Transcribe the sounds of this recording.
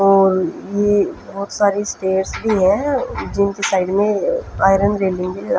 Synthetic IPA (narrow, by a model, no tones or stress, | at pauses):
ɔːɾjebɔːt̪saːɾisʈeːʈsbʱiɦɛ̃d͡ʒɪnkesaːɪɖmẽaːɪɾənɾeːlɪ̃ŋɡkelijeɾa